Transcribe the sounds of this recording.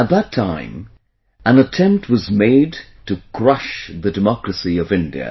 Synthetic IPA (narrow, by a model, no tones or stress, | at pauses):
ət̪̚ðətʰãɪ̃m | ə̃nətʰɛ̃mp̚t̚wʌzmeɪd | tʰɨkʰɹ̥ʌʃðɨdɨmɑkɹɨsiʌvɪ̃ndḭɨ̰